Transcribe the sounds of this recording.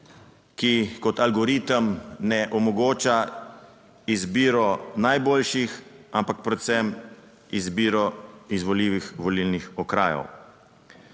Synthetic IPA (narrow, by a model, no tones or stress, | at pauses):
kikɔt̪alɡɔɾit̪əmnɛʔɔmɔɡoːt͡ʃa | izbiːɾɔnajboːlʃixampak̚pɾɛt̪sɛm | izbiːɾɔizʋɔliːʋixʋɔlilnixɔkɾa̰ːjɔ̰w